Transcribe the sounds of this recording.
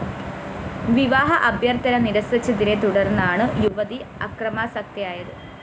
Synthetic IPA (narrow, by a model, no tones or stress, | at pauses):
ʋiʋaːɦɐʔɐbjɐrt̪ɐnɐniɾɐsɐt͡ɕːɐðiɾe̞t̪uɽɐrnːɐaːɳɨjuʋɐðiɐ̰krɐmaːsɐk̚t̪jɐjaːjɐðɨ